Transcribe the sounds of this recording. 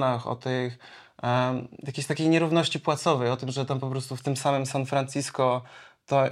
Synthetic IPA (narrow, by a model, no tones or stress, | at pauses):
naxɔ̰t̪ɘx | jakʲeɕt̪akʲejɲɛɾuvnɔɕt͡ɕipwat̪sɔvɛjɔt̪ɘmʐɛt̪ampɔpɾɔst̪uft̪ɘmsamɘmsanfɾant͡ɕiskɔt̪ɔ